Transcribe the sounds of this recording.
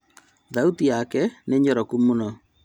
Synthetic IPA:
ðautiakɛneɲɔɾɔkumunɔ

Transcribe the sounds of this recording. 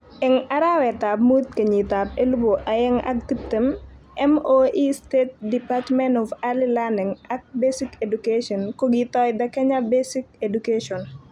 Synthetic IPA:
ɛŋaɾawɛtap̚mut̪̚kəɲitap̚eluboʔajɛŋa̰k̚tip̚tem | ɛmoʔistet̚dipatmɛnɔfalilanɪŋak̚besikedukeʃɔnkɔɡitɔjdakɛɲabesikedukeʃɔn

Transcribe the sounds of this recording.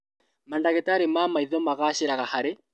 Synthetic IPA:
mandaɣetaɾemamaiðɔmaɣaːɕeɾaɣahaɾe

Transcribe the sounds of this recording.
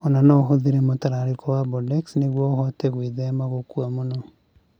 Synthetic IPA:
onanɔɦoðiɾɛmotaɾaɾikɔwabɔdɛksneɣwɔoɦɔtɛɣwiðɛmaɣokuwamonɔ

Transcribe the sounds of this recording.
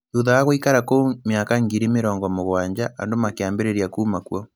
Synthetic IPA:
uðaaɣoikaɾakomeakaŋɡiɾimeɾɔːŋɡɔmoɣwaːɲd͡ʒaʔandomakeaːmbeɾeɾjakuːmakwɔ

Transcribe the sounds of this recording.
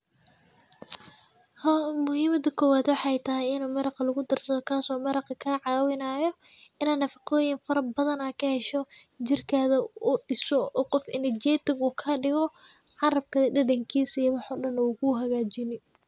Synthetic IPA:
hmʊhiːmɐd̪ɐkʰɔːwaːd̪wɑħɑːɛjt̪ʰɐɦɪjɪnʊmɐɾɑqɐlʊɣʊd̪ɐrsɐðɔkʰaːsɔːmɐɾɐqɐkʰaʕɑːwɪnaːjɔ | ɪnaːnːɐfɑqɔːjɪnfɐɾɐbɐðɐnaːkʰɐhɛʃɔ | t͡ʃɪrkʰaːðɐʊɖɪsɔɔːqɔfɪ̰nɪd͡ʒɛːt̪ɪɡuːkʰɐːɖɪɣɔ | ʕɑɾɐb̚kʰɐɖɐɖɐŋkʰiːsɐjwɑħɔːɖɐnɔɣuɦɐɣaːt͡ʃɪnɪ

